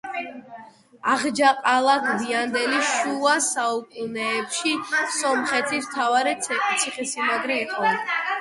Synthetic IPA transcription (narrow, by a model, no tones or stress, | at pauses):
aʁd͡ʒaqʼalˠakʰbiand̪ɛliʃuasaukʼunɛːpʃisɔmχɛt̪ʰist̪ʰavaɾɛt̪sʰiχɛsimaɡɾɛːqʼɔa